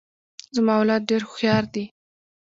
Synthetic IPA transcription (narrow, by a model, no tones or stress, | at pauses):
zəmɑawlɑt̪̚ɖeɾxjɑɾd̪i